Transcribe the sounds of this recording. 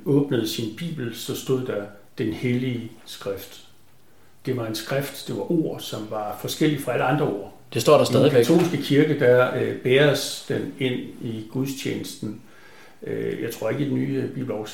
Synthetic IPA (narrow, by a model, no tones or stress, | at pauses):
ɔ̽ːb̥nəð̞̩ˠsinb̥ḭːb̥l̩sɒ̽sd̥o̝ð̞̰ˠd̥æ | d̥enheliəsɡ̥ʁafd̥ː | e̝ʋɑ̈e̝nsɡ̥ʁafd̥d̥e̝ʋɑ̈ʔo̝ːɐ̰sɒ̽mʋɑ̈fɒ̽sɡ̥el̰i̥fʁɑ̈æləɑ̈nd̥ʁɐo̝̰ɐ̰ | d̥esd̥ɔ̰ːdɑsd̥ɛːðˠikʰæt͡sʰo̝̰ːlsɡ̥əkʰiɐɡ̥əd̥æb̥eːɐsd̥ene̝n̰iɡ̥uðˠst͡ɕʰḛːnəsd̥n̩ | øjɑ̈ɪt͡sʰʁo̝ɐe̝ɡ̥əd̥enːy̰ːb̥ḭːb̥l̩ɒ